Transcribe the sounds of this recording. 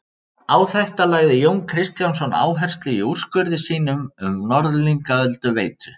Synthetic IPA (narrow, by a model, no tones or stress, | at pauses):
aːwθɛht̪alaːɣðɪjowŋkʰɾɪst̪jansɔna̰ːwɦɛr̥st̪lɪiur̥skʏɾðɪsiːnʏmʏmnɔɾðliŋkaœlt̪ʏveːjt̪ɾʏ